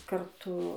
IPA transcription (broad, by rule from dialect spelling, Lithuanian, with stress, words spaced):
kɐrˈtʊ